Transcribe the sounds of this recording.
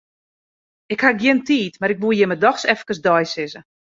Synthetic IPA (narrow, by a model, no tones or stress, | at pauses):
ɪkhaɡjɪntiːtmaɾɪk̚buəjɪmədɔxsɛfkəsdɔjsɪzə